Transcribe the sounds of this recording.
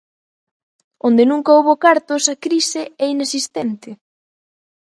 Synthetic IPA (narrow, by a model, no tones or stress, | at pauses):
ond̪ɪnũŋkaoβokaɾt̪osɐkɾisɪɛinesist̪ɛnt̪ɪ